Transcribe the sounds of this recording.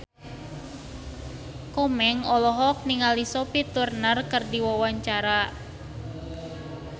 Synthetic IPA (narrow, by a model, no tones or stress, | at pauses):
kɔmɛŋɔlɔɦɔk̚niŋalisopit̪urnarkɨrdiwawaɲt͡ʃaɾa